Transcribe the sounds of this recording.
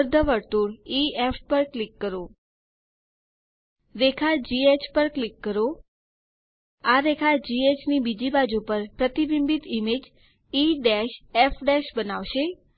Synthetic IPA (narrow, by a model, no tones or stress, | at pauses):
ɾd̪ʱəʋəɾt̪uɽiefpəɾklikːəɾo | ɾekʰad͡ʒiet͡ʃpəɾklikːəɾo | aɾekʰad͡ʒiet͡ʃnibid͡ʒibad͡ʒupəɾpɾət̪ibimbit̪imed͡ʒ | iɖeʃefɖɛʃbənaʋʃe